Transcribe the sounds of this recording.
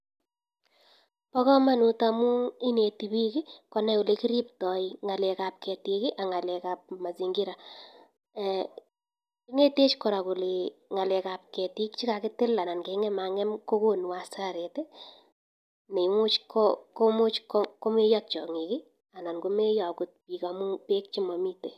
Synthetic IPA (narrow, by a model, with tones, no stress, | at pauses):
pɔ˦kɔ˦ma˦nu˨ta˨mu˦i˦ne˨ti˨bi˦ki˦kɔ˨nɛ˦ʊ˨le˨kɪ˦ɾi˦ptɔ˨iŋa˨le˨ka˨p̚kɛ˨ti˨ki˦ʔa˨ŋa˨le˨ka˨p̚ma˨zi˨ŋɡi˦ɾa˨ | i˦ŋe˦te˦t͡ʃkɔ˨ɾa˨kʊ˨li˨ŋa˨lɛ˨ka˨p̚kɛ˨ti˦kt͡ʃi˦ka˨kɪ˦tɪ˦la˨na˨nke˨˦ŋɛ˦ma˨ŋɛ˦mko˦ko˦n˨wa˨sa˦ɾe˨te˦ | ne˨ŋʊ˦t͡ʃko˦ko˦mʊ˦t͡ʃko˦ko˦me˦jɔ˦t̚t͡ʃɔ̰˨ŋi˨kɪ˦ | a˨na˨nko˦me˦jɔ˨kʊ˦t̚pi˨ka˨mu˦pe˦k̚t͡ʃi˦mɔ˨mi˦te˨